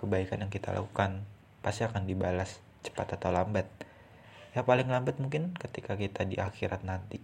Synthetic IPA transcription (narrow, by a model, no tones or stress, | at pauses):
kəbaikanjaŋkit̪a̰lʔa̰kukan | past̪iakandibalas | t͡ʃə̥pat̪at̪awlambat̪̚ | japalɪŋlambət̪̚muŋkɪnkət̪ikakit̪adiʔaxiɾat̪̚nant̪i